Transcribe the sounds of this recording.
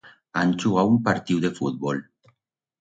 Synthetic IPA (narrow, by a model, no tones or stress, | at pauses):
ant͡ʃuɣaumpaɾt̪iwðefut̪̚βol